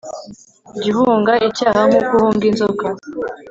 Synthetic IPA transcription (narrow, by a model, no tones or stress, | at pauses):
ɟihuːŋɡaʔicaːhaŋ̥ukuhuːŋɡinzoka